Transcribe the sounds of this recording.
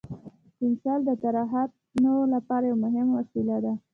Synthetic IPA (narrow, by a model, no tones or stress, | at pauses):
ɪnsɑld̪ət̪aɾɑɦat̪̚ | nawolapɑɾajawmʊɦɪmwasilad̪a